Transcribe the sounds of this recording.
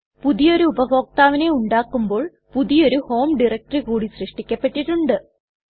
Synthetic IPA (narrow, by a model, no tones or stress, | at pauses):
puðijo̞ɾuubɐʋo̞ːk̚t̪aːʋɐne̞uɳɖaːkːumbo̞ːɭ | puðijo̞ɾuho̞ːmɖirɐk̚ʈrikuːɽisrɨʂʈikʲːɐpːeʈːiʈːuɳɖɨ